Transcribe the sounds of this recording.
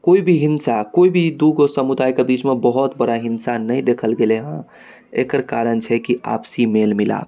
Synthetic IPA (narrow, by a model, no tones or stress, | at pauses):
koibʱiɦinsakoibʱid̪uɡosəmud̪ajkebit͡ʃmebəɦɔt̪bəɾaɦinsanəjd̪ekʰəlɡeleɦə̃ | ḛkəɾkaɾənt͡ʃʰɛkia̰psimelmila̰b